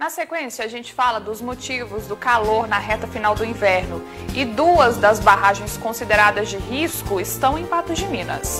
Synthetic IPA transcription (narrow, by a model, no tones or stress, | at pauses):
nɐsekwẽsiɐːʒẽnt͡ʃɪ̥falɐd̪ʊzmot͡ʃivʊzd̪ʊkaloɾnɐɦɛt̪ɐfinawd̪ʊĩvɛɾnʊ | ɪd̪uɐzd̪ɐzbaɦaʒẽj̃skõsid̪eɾad̪ɐzd͡ʒɪɦiskʊɪst̪ɐ̃w̃ẽj̃pat̪ʊzd͡ʒɪmĩnɐ̰s